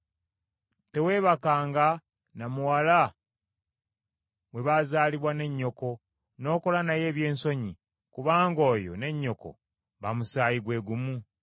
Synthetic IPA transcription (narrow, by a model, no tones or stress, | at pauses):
te̞we̞ːβakaːŋɡa | namuwala | we̞βazaːliβwane̞ɲːo̞ko̞ | no̞ːko̞lanaje̞ːβje̞ːnso̞ɲi | kuβaːŋɡo̞ːjo̞̰ne̞ɲːo̞ko̞̰ | βamusaːjiɡwe̞ːɡumu